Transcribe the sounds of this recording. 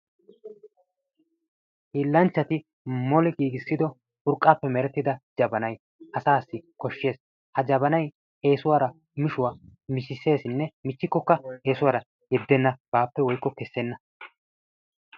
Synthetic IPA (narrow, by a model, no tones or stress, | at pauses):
hiːlːɐnt͡ʃːɐt̪ɪ | mɔlɛɡiːɡɪsːɪd̪ɔ | ʊɾkʼːaːpːɛmɛɾɛt̪ːɪd̪ɐd͡ʒɐbɐnɐj | ʔɐsaːsːɪkɔʃːe̞ːs | hɐd͡ʒɐbɐnɐj | e̞ːsʊwaːɾɐ | mɪʃʊwaːmɪt͡ʃːɪse̞ːsɪnːɛmɪt͡ʃːɪkːɔkːɐe̞ːsʊwaːɾɐ | jɛd̪ːɛnːɐb̥aːpːɛwɔjkːɔkɛsːɛnːɐ